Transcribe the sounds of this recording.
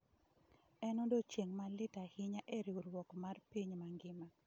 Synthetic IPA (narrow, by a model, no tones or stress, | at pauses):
ɛnodot͡ʃjeŋmalɪtahɪɲaʔeɾiuɾwɔkmarpiɲmaŋɡɪma